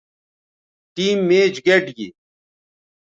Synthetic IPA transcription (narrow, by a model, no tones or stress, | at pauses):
ʈiːmːeːd͡ʑɡeʈɡḭ